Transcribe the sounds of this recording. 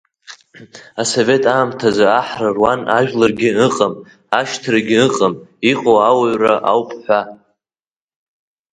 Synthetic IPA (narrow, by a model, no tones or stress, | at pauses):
aso̞ve̞tʰʼaːmtʰazaaħrarwanaʒᶣlarɡʲɪɨqʼam | aʃtʰraɡʲɪɨqʼamiqʼowawaɥraʔawpʼħʷa